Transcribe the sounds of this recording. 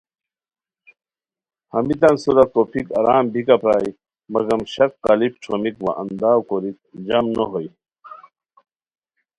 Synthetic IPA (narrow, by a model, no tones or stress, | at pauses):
hɐmit̪ɐnsuɾɐt̪opʰikɐɾaːmbʱikapɾaːi | mɐɡɐmɕɐkqɐlip̚ʈ͡ʂʰomikʋa̰ʔɐnd̪aːwkoɾik̚d͡ʑɐmnoɦoj